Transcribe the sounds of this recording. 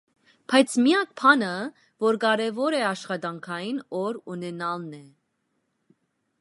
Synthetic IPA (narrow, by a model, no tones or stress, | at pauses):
pʰɑjt͡sʰmijɑk̚pʰɑnə | vɔɾkɑɾɛvɔɾɛɑʃχɑd̪ɑŋkʰɑjinɔɾunɛnɑlnɛ